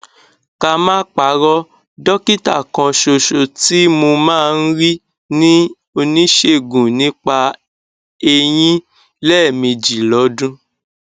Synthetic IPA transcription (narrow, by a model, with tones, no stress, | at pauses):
ka˧mãː˦k͡pa˨˦ɾɔ˦ | dɔ˦ki˦ta̰˦˨kã˧ʃo˧ʃo˧ti˦mo˧mãː˦˧n̩˦ɾi˦ | nĩ˦ | o˧nĩ˦ʃe˦˨ɡũ˨nĩ˨˦k͡pa˧ | e˧j̃ĩ˦ | lɛ˦˨mĩ˧d͡ʒi˨lɔ˨˦dũ˦